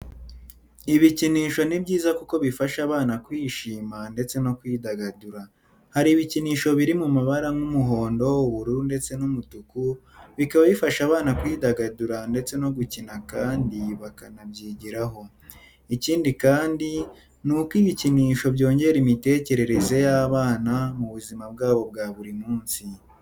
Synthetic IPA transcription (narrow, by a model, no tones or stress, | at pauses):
iβiciniːʃo̞nibɟiːzakuko̞βifaʃaβaːnakwiːʃiːmande̞t͡se̞no̞kwiːdaɡaduɾa | haɾiːβiciniːʃo̞βiɾimumaβaɾaŋumuɦo̞ːndo̞uβuɾuɾunde̞t͡se̞numutuku | βikaβaβifaʃaːβaːnakwiːdaɡaduɾande̞t͡se̞no̞ɡucinakaːndiβakanabɟiːɟiɾaɦo̞ | iciːndikaːndi | nukwiβiciniːʃo̞bɟo̞ːɲɟe̞ɾimite̞ːce̞ɾe̞ɾe̞ze̞jaβaːnamuβuzimab̚ɡaːβo̞b̚ɡaβuɾimuːnsi